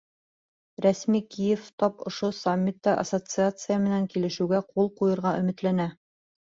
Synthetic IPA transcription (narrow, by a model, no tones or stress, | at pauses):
ɾæsmikijɘft̪ɒpŏʃosamʲːit̪ːɑʔɐ̰sot̪sɨat̪sɨjamɘ̆næŋkilɘ̆ʃɘ̆wɡæqulˠqujɤ̆ɾʁɑʔɵ̆mɘ̆t̪lænæ